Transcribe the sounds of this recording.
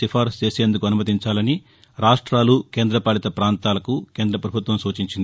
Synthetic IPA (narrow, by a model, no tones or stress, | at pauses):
ifʰaːɾst͡ʃe̞ːseːnd̪ukuɐnumɐt̪̬iɲt͡ʃaːlɐni | ɾaːʂʈɾaːluke̞ːnd̪ɾɐpaːlit̪ɐpɾaːnt̪aːlɐkuke̞ːnd̪ɾɐpɾɐbʱut̪ʋɐmsuːt͡ʃiɲt͡ʃind̪i